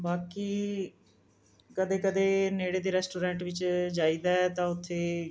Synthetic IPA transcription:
baːkiː | kəd̪eːkəd̪eːneːɽeːd̪eːɾɛːsʈoːɾɛ̃ːɳʈʋɪt͡ʃd͡ʒaːiːd̪aːɛt̪ãːʊt̪ʰːeː

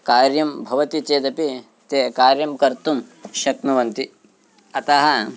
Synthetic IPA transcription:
kaːɾjɐmbʱɐʋɐt̪it͡ʃeːd̪ɐpi | t̪ekaːɾjɐmkɐɾt̪umʃɐknɐʋɐnt̪i | ɐt̪aɦɐ

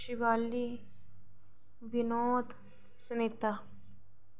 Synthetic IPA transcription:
ʃiʋaːli | ʋɪnɔːd̪ | sʊnet̪a

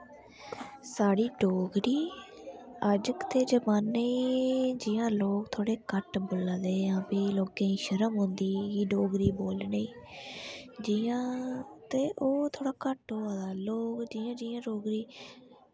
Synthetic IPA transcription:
saːɽiːɖoːɡɾiː | əd͡ʒkə̥t̪ʰeːd͡ʒəmaːnːeːd͡ʒiːjãːloːkt̪ʰoːɽeːkəʈbʊlad̪eːãːpeːloːɡẽːĩːʃəɾəmɦʊ̃nd̪iːiːɖoːɡɾiːboːlneiː | d͡ʒiãːt̪eːʔoːt̪ʰoːɽaːkəʈɦoːaːd̪aːloːkd͡ʒiːãːd͡ʒiːãːɖoːɡɾiː

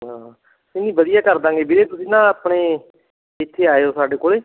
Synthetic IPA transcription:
ɦãː | sɪːnĩːbəd̪ɪjaːkəɾd̪ãːɡeːbɪɾeːt̪ʊsĩːnãːapɳeː | ɪt̪ʰːeːaːeoːsaːɖeːkoːleː

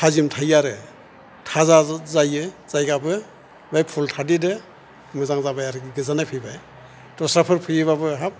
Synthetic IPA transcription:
tʰazimtʰajaɾɯ | tʰazazajɯz̥ajɡabɯ | bajpʰultʰadidɯ | mɯzaŋzabajaɾɯɡiɡɯzanajpʰɯjbaj | dɔsɾapʰɯɾpʰɯjɯβabɯɦap̚

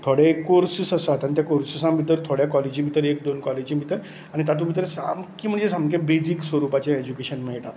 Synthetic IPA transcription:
t̪ʰoɽekoɾsisəsat̪anit̪jakoɾsisãmit̪̬əɾt̪ʰoɽjakɔled͡ʑimit̪əɾek̚d̪onkɔled͡ʑimit̪əɾ | aɽ̃it̪at̪umit̪ɾsa̰mkiːm̤əɳd͡zesamkẽbed͡ʑiːksʋəɾupat͡ɕaed͡ʑukeɕənmɛɭʈa

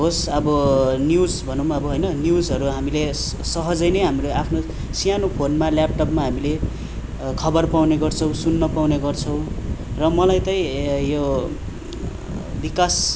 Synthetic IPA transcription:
ɦosʌbʌnjud͡zbʱʌnõmaʌbʌɦojnʌnjud͡zʌɾuɦamile | sʌɦʌd͡zʌjnʌjɦamiɾoapʰno | sijanopʰonmaljap̚ʈʌpmaɦamile | kʰʌbʌrpawneɡʌrt͡sʰʌw̃sunːʌpawneɡʌrt͡sʰʌ̃w̃rʌmʌlajt̪ʌĩjo | bikas

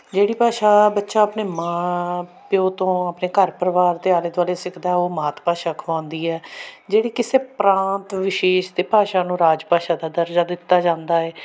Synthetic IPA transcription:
d͡ʒeːɽiːpaːʃaːbətːʃaːəpneːmãːpjoːt̪õːəpneːkəɾpəɾəʋaːɾt̪eːaːleːd̪ʋaːleːsɪkʰd̪aːɛoːmaːt̪paːʃaːkʰãːnd̪iːɛːd͡ʒeːɽiːkɪseːpɾãːnt̪ʋɪʃeːʃd̪eːpaːʃãːnũːɾaːd͡ʒpaːʃãːd̪aːd̪əɾd͡ʒaːd̪ɪt̪ːaːd͡ʒãːnd̪aːɛː

